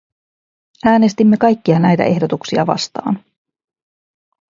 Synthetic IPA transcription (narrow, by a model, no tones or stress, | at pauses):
æːne̞st̪imːe̞kɑjkːiɑnæjt̪æ̰ʔe̞hdo̞t̪uksiɑ̰ʋɑ̰st̪ɑ̰ːn